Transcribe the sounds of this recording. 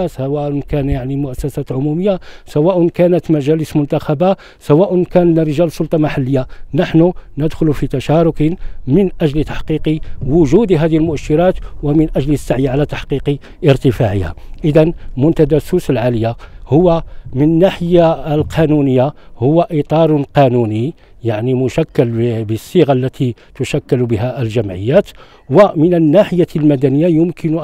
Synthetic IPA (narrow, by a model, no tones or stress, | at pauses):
swæʔnkænjaʕnimʊʔæsːæsæt̪ʕʊmuməjːasæwæʔʊnkænət̪mæʒæləsmʊnt̪axæba | sæwæʔʊnkænnɾəʒælsˤːʊlt̪ˤɑmaħalːəjːanəħnunəd̪xʊlufit̪æʃæɾʊkəmənʔæʒlt̪aħqiqiwʊʒud̪ɦæd̪ihilmʊʔəʃːiɾɑt̪wəmənʔæʒlsːaʕjiʕalæt̪ḁħqiqi | ʔəɾt̪əfaʕəha̰ʔəd̪ænmʊnt̪æd̪æsusəlʕaləjahʊwːamənənːaħəjːaəlqʰɑnunəjːahʊwːæʔit̪ˤɑɾˤqɑnuni | jaʕnimʊʃækːælbəsˤːiɣalːæt̪ʰi | t̪ʊʃækːælbəɦæʔəlʒæmʕəjːæt̪ | wəmənənːaħəjːalmæd̪ænəjːajʊmkʰɪn